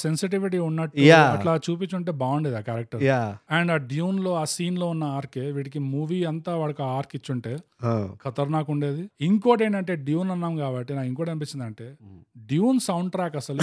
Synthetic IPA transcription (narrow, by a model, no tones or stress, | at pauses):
sensiʈiʋiʈ̬iːunːɐʈːujaɐʈlaːt͡ʃuːp̬it͡ʃːuɳʈe̞ːbaːwɳɖed̪aːkaːɾɐk̚ʈɐɾjaɛɳɖaːɖjuːnlo̞ːaːsiːnlo̞ːunːɐaːɾkeːʋiːʈikimuːʋiːɐnt̪aːʋaːɭɐkaaːɾkit͡ʃːuɳʈe̞ːkʰɐt̪ɐɾnaːkuɳɖe̞ːd̪iiŋkoːʈe̞ːɳʈɐɳʈe̞ːɖjuːnɐnːɐmkaːbɐʈːinaːkiŋkoːɽɐnpit͡ʃːind̪ɐɳʈe̞ːɖjuːnsɐwɳɖʈɾaːkɐsɐlu